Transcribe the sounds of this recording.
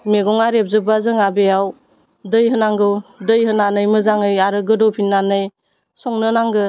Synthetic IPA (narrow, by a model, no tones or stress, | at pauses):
meɡɔŋaɾep̚zɯbazɯŋabejaw | dɯjɦɯnaŋɡɯwdɯjɦɯnanɯjmɯzaŋɯjaɾɯɡɯdɔpʰinːanɯj | sɔŋnɯnaŋɡɯ